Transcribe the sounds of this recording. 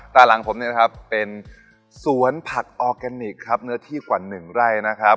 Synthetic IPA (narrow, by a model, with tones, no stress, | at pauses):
t̪aː˨˩la˩˦ŋpʰo˩˦mni˥˩ɐkʰa˦˥pːe˧n | su˨˩˦ənpʰa˨˩k̚ʔɔː˧kɛ˧ni˨˩kʰːɾa˦˥p̚nɯ˦˥ɐt̪ʰiː˥˩kwaː˨˩nɯ˨˩ŋɾa˥˩jna˦˥kʰa˦˥p̚